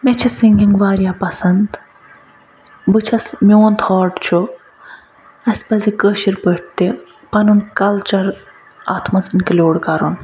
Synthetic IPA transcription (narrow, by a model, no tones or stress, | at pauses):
met͡ʃʰisiŋɡʲiŋɡʋaːɾjaːpɐsɐnd̪ | bɨt͡ʃʰɐsmʲoːnt̪ʰhɔːɖt͡ʃʰu | ɐsʲpɐzikəʃiɾbəʈ̚t̪i | pɐnunkɐlt͡ʃɐɾ | a̰ːt̪ʰmɐsɨnkɐlʲoːɽkɐɾon